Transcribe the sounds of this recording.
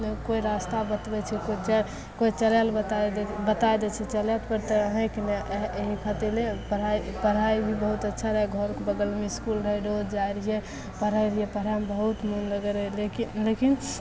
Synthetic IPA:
koiɾast̪abət̪bɛt͡ʃʰɛkot͡ʃ | koit͡ʃəlɛlbət̪ad̪bət̪aed̪ɛt͡ʃʰɛt͡ʃəlɛt̪pəɾt̪əɦẽkineeɦikʰət̪elepəɾaipəɽ̤aibʱibəɦut̪ətːʃʰaɾaeɡʱɔɾkbəɡəlmiskulɾəɦɛɖod͡ʒajɾiɦe | pəɾajɾiɦepəɾambəɦut̪munləɡəɾjlekilekin

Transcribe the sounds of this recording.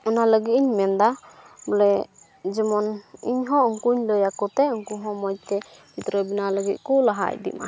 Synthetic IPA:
ɔnaləɡit̪̚iɲmɛnd̪abəlɛ | d͡ʒəmɔniɲɦɔ̃ɔŋkuɲləjakɔt̪ɛɔŋkuɦɔ̃mɔj̚t̪ɛ | pit̪ɾəbinaləɡit̪̚ˀkulaɦa̰j̚d̪ḭma̰

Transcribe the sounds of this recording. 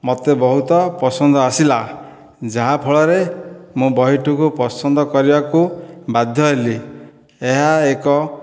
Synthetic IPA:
mot̪ebɔɦut̪ɔpɔsɔnd̪ʱɔasila | d͡ʒaɦapʰɔɭɔɾemũbɔɦiʈukupɔsɔnd̪ɔkɔɾibakubad̪ʱjɔɦeli | eɦaekɔ

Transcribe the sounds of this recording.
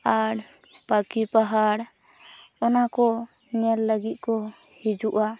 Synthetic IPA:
aɽ | pakipaɦaɽ | ɔnakɔ | ɲɛlːəɡit̪̚ˀkɔ | hid͡ʒuʔa

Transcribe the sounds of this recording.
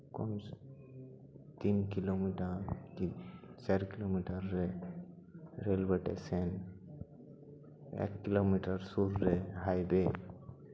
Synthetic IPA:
kɔn | t̪inkilomiʈəɾkit͡ʃaɾkilomiʈəɾːe | ɾelbeʈḛsen | ḛkːilomiʈəɾsuɾːeɦajbe

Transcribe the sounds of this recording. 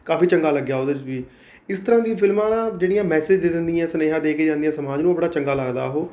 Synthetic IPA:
kaːfʰiːt͡ʃəŋɡaːləɡːjaːoːd̪əd͡ʒʋiː | ɪst̪əɾãːd̪iːpʰɪlmãːnãːd͡ʒeːɽijãːmɛːsed͡ʒd̪eːd̪ɪnd̪ijãːsəneːɦãːd̪eːkeːd͡ʒãːnd̪ijãːsəmaːd͡ʒnũːbəɽaːt͡ʃəŋɡaːləɡd̪a̰ːɦoː

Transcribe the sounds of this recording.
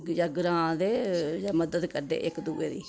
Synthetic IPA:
d͡ʒaːɡɾãːd̪eːd͡ʒaːməd̪əd̪kəɾɖ̪ḛːʔɪkd̪uːeːd̪ḭː

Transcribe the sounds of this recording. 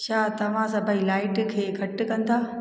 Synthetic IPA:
ʃaːt̪ɐʋ̤ãsɐbʱailaːɪʈkʰeːɡʱɐʈkɐ̃nd̪aː

